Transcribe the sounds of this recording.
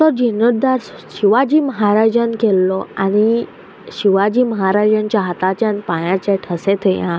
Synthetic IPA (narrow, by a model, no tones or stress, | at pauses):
t̪ɔd͡ʑinəɽd̪aɾ | ɕiʋad͡ʑiːməɦaɾad͡ʑənkelːɔañi | ɕiʋad͡ʑiːməɦaɾad͡ʑant͡ɕjaɦat̪at͡ɕjãnpajãt͡ɕaʈʰəset̪ʰejã